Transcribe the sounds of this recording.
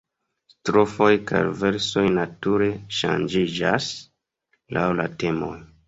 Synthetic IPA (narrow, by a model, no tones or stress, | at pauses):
stɾo̞fo̞jka̰ɾve̞ɾso̞jnatuɾe̞ʃa̰nd͡ʒid͡ʒa̰s | lʔawla̰te̞mo̰j